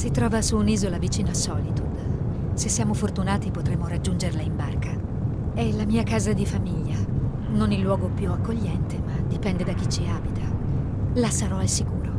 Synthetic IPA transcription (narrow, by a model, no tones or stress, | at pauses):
sit̪ɾɔːvasuːniːzolavit͡ʃiːnoasɔːlit̪o̥ | sesːjaːmofort̪unaːt̪ipot̪ɾemːoɾad͡ʒːund͡ʒerlaimbarka | ɛlamiːakaːzad̪ifamiʎːa | nonilːwɔːɡopjuakːoʎːɛnt̪emad̪ipɛnd̪ed̪ak̟ːit͡ʃːiaːbit̪ʰa | lasaɾɔalsikuːɾo